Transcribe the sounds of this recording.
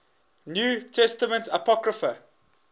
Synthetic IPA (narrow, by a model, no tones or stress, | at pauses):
njuːtʰɛstəmə̃ntapɔkɹəfə